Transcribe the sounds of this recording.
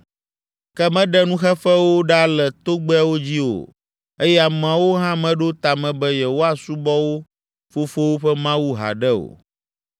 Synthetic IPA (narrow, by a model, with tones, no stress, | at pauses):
kɛ˦mɛ̃˦ɖɛ˦nũ˦xɛ˦fɛ˦wo˦ɖa˦lɛ˨t̪o˦ɡ͡bɛ˦wo˦d͡ʑi˦o̰˨ | e˦jɛ˦a˨mã˨wo˦ɦã˦mɛ̃˦ɖo˦t̪a˨mɛ̃˨bɛ˦jɛ˨wo˦a˦su˦bɔ˦wo˦ | fo˦fo˦wo˦ɸɛ˦mã˦wu˦ɦa̰˨ɖɛ˦o̰˨